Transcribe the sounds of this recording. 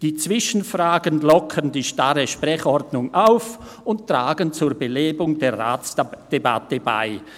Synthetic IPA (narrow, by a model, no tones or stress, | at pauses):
d̥iːt͡sv̥ɪʃən̩fʁaːɡənlɔkʰəndiːʃtaɾəʃpʁɛçɔrdnʊŋʔaʊf | ʊnttʁ̥aːɡənt͡suːɐbəleːbʊŋdeːʁa̰ːt͡sd̥eba̰təba̰ɪ